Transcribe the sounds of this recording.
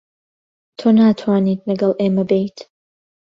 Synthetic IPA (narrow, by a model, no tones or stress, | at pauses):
tʰonaːtʰwaːnitʼnɐɡɐlʔemɐbejtʰ